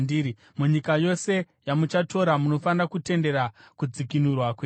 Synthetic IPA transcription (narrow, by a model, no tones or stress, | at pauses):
diɾi | muɲikajo̞se̞ | jamut͡ʃato̞ɾamuno̞fanakute̞nde̞ɾakud͡zikinurwakweː